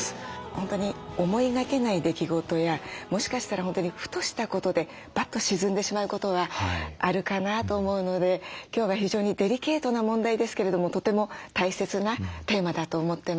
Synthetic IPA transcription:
hõ̞nt̪o̞ɲ̟io̞mo̞iɡake̞naid̪e̞kʲiɡo̞t̪o̞jamo̞ɕi̥kaɕi̥t̪aɾaɦont̪oɲ̟iɸɯ̟̥t̪o̞ɕi̥t̪ako̞t̪o̞d̪e̞ | b̥at̪ːo̞ɕizɨ̃nd̪e̞ɕimaɯ̟ko̞t̪o̞βaaɾɯ̟kanat̪o̞ːmo̞ɯ̟no̞d̪e̞kʲo̞ːβaçiʑo̞ːɲ̟id̪e̞ɾʲike̞ːt̪o̞namõ̞nd̪aid̪e̞sɨ̥ke̞ɾe̞d̪o̞mot̪o̞t̪e̞mo̞t̪aise̞t͡sɨnat̪e̞ːmad̪at̪o̞ːmo̞t̪ːe̞m

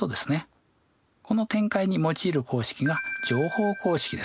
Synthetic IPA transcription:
od̪e̞sɨne | ko̞no̞t̪ẽ̞ŋkaiɲ̟imo̞t͡ɕiːɾɯ̟kʰo̞ːɕi̥kʲiɡad͡ʑo̞ːho̞ːko̞ːɕi̥kʲid̪e̞

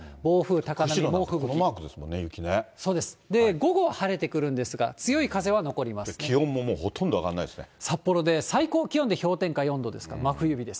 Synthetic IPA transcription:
bo̞ːɸɯ̟ːt̪akanaooːɸɯ̟ɡ̪omaːkɯ̟d̪e̞sɨmõnːejɯ̟kʲineso̞ːd̪e̞sɨ̥d̪e̞ɡo̞ɡo̞haɾe̞t̪e̞kɯ̟ɾɯ̟̃nd̪e̞sɨɡa̰t͡sɨjo̞ikaze̞β̞ano̞ko̞ɾʲimasɨ̥kʲʰihõmːo̞moːhot̪ʰõnd̪oaɡa̰nːa̰id̪esɨnesapːo̞ɾo̞d̪e̞saiko̞ːkʲiõnd̪e̞ço̞ːt̪ẽ̞ŋkajõ̞nd̪o̞d̪e̞sɨ̥ka̰maɸɯ̟jɯ̟bʲid̪e̞s

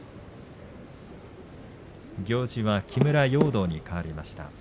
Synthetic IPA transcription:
ɡʲo̞ːʑiβakʲʰimɯ̟ɾajo̞ːd̪o̞ːɲ̟ikaβaɾʲimaɕi̥t̪a̰

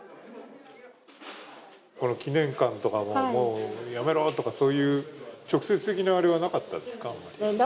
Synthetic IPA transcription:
ko̞no̞kʲinẽ̞ŋkãnt̪o̞kamomo̞ːjame̞ɾo̞ːt̪o̞kaso̞ːjɯ̟ːt͡ɕo̞kɯ̟̥se̞t͡sɨ̥t̪e̞kʲinaβaɾeβ̞anakat̪ːa̰d̪esɨ̥kaːmːa̰ɾʲi

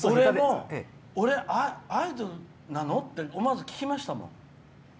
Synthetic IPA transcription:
soɾemo | oɾe̞ʔaaid̪oɾ | nanot̪ːe̞omazɨkʲi̥kʲimaɕi̥t̪amõ̰ŋ

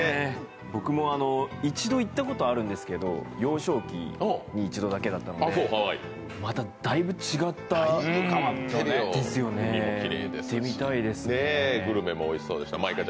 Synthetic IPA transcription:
e | bo̞kɯ̟mo̞ano̞it͡ɕid̪o̞it̪ːako̞t̪o̞aɾɯ̟̃nd̪e̞sɨ̥ke̞d̪o̞̰jo̞ːɕo̞ːkʲḭoɲ̟iːt͡ɕid̪o̞d̪ake̞d̪at̪ːanoasoːɦaḭ | mat̪ad̪aibɯ̟t͡ɕiɡat̪ːakamat̪ːad̪e̞sɨjo̞ne̞iiɾḛːd̪est̪ːe̞mʲit̪aid̪e̞sɨneeɡɯ̟ɾɯ̟memooiso̞ːd̪e̞ɕi̥t̪amaika

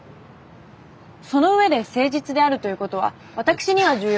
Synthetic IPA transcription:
so̞no̞ɯ̟βe̞d̪e̞se̞ːʑit͡sɨd̪e̞aɾɯ̟t̪o̞jiɯ̟ko̞t̪o̞βa̰ | βat̪akɯ̟̥ɕiɲ̟iβaʑɨːj

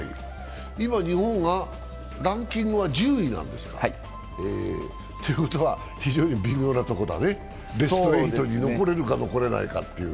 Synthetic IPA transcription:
ḭ | imaɲ̟ihõ̞ŋɡa | ɾãŋkʲĩŋɡɯβad͡ʑɨːinã̰nd̪e̞sɨ̥ka̰ | eː | t̪ojɯ̟ko̞t̪oβa | çiʑo̞ːɲ̟ibʲimʲo̞ːnat̪o̞ko̞d̪a̰ne | d̪e̞st̪oɾeit̪o̞ɲ̟ino̞ko̞ɾe̞ɾɯ̟kano̞ko̞ɾe̞na̰ḭka̰t̪ːe̞ɯ̰

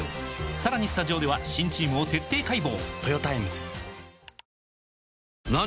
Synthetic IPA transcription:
saɾaɲ̟isɨ̥t̪aʑio̞ːd̪e̞βaɕĩɲ̟t͡ɕiːmɯ̟ot̪e̞t̪ːe̞ːkaibo̞̰ːt̪ojo̞t̪aemɯzɨ̥ | na

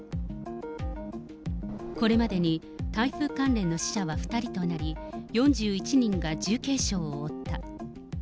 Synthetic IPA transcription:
ko̞ɾe̞mad̪e̞ɲ̟i | t̪aiɸɯ̟ːkãnɾẽ̞nːo̞ɕi̥ɕaβaɸɯ̟̥t̪aɾʲit̪o̞naɾʲijõ̞ɲ̟d͡ʑɨːit͡ɕiɲ̟ĩŋɡad͡ʑɨːke̞ːɕo̞ːoːt̪ːa

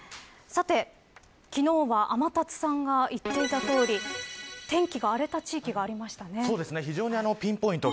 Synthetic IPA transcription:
sat̪e̞ | kʲino̞ːβaʔamat̪at͡sɨ̥sãŋɡait̪ːe̞it̪at̪o̞ːɾʲit̪ẽ̞ŋkʲiɡaːɾe̞t̪at͡ɕiːkʲiɡaːɾʲimaɕi̥t̪anesoːd̪e̞sɨne̞çiʑo̞ːɲ̟iano̞pʲĩmpo̞ĩnt̪o

